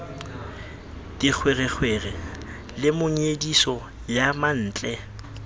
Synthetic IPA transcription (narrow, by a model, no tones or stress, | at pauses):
tik͡xʰwerɛk͡xʰwerɛ | lɪmʊɲedisɔ | jaman̩ːt͡ɬʼɛ